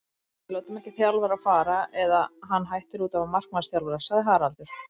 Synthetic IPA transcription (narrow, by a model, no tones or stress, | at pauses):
vɪloːwt̪ʏmɛhcɪθjawlvaɾafaːɾaʔɛðaɦanːɦajht̪ɪɾuːt̪avamar̥k̚nasθjawlvaɾasaðɪɦaːɾalt̪ʏɾ̥